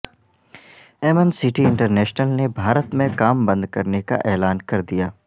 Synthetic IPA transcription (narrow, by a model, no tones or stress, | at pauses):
ɛːmənsɪʈiɪ̃ɳʈəɾnɛːʃnəlnebʱaːɾət̪mẽkaːmbɐ̃nd̪kɐɾneka̰ʔɛːlaːnkɐɾd̪ijaː